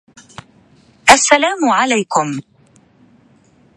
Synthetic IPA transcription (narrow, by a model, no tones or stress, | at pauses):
ʔasːalaːmʊʕalajkʊm